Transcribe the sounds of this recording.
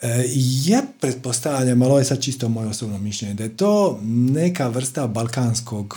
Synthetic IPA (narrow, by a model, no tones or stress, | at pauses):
əijaːpɾedt̪̚post̪aaʎamalˠojesad̪̚t͡ʃiːst̪omojeosobnomiʃʎʲeɲed̪ajet̪oːnekaʋr̩st̪abalˠkaːnskoɡ